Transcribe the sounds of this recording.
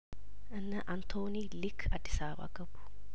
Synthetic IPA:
ʔɨnːɐʔɐnt̪ʰoːniːlɪkʰɐd̪ɪsaːba̰ːɡɐbːʊ̥

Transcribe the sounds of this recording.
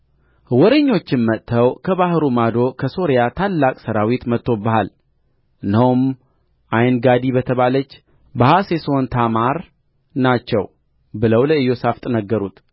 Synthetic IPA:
wɔɾəɲːo̞t͡ʃːɪnmət̪ʰːəwkʰəβahɾumad̪o̞kʰəso̞ɾjat̪ʰalːakʼsəɾawit̪mət̪ʰːo̞bəhal | ʔɨnːəhm | ʔajnɡad̪iβət̪ʰəβalət͡ʃː | bahaseso̞nt̪ʰamaɾ | nat͡ʃːɛw | bɨləwləɨjo̞saft̪ʼnəɡːəɾut̪

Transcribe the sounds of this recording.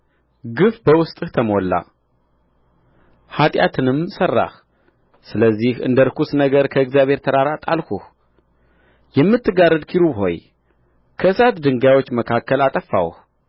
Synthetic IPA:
ɡɨfbəwʊst̪ʼɨht̪ʰəmolːa̰ | hat̪ʼjat̪ʰɨnɨmsərːa̰h | sɨləzːihɨ̰nd̪əɾkusnəɡəɾkʰəɨɡzjaβhe̞ɾt̪ʰəɾaɾat̪ʼalkuh | jɛmːɨt̪ːɨɡarːɨd̪kʰiɾubho̞̰j | kʰəɨsat̪d̪ɨŋɡajwo̞t͡ʃːməkʰakːəlat̪ʼəfːa̰w̰h

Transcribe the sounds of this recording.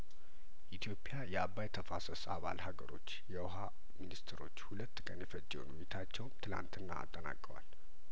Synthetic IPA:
ʔit̪ʰijo̞pʼːɪjajɛaβːajt̪ʰəfasəsaβa̰lhaɡəɾo̞t͡ʃːjɛwɦa | minist̪ʰɾo̞̰t͡ʃːhulət̪ːkʼənjɛfət͡ʃʼːɛwṵnmit̪ʰat͡ʃːɛwnt̪ʰɨla̰nt̪ɨnːa̰ːt̪ʼːəna̰kʼəwa̰l

